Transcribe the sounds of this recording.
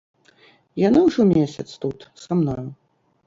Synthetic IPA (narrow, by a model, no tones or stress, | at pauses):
janawʐɔmʲesʲɐt̪st̪ut̪samnɔju